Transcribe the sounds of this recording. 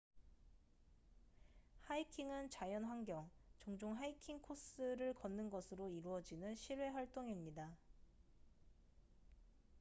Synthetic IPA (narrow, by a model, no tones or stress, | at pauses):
haikʰiŋɯnt͡ɕajʌnɸwaŋɡjʌŋt͡ɕʌŋd͡ʑoŋɦaikʰiŋkʰos͈ɯɾɯɭkʌnːɯnɡʌsʰɯɾoiɾuʌd͡ʑinɯnɕʰiɾwe̞ɸwaɭt͈oŋimɲida